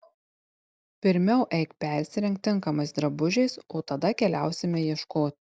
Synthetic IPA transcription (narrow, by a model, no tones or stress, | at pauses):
pʲɪɾʲmʲɛʊʔɛɪkpʲæˑɾʲsʲɪɾʲɛŋkt̪ʲːɪŋˑkɐmɐɪsd̪ɾɐbʊʒʲɛɪsoːt̪ɐd̪ɐkʲɛlʲæˑʊsʲɪmʲɛjiɛʃkoːt̪ʲ